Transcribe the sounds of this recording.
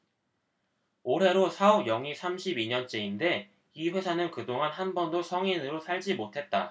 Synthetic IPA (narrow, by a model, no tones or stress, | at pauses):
oɾe̞ɾosʰaʌbjʌŋisʰamɕʰibiɲʌnt͡ɕ͈e̞inde̞ | iɸwe̞sʰanɯnkɯdoŋanhanbʌndosʰʌŋinɯɾosʰaɭd͡ʑimotʰe̞t̚t͈a̰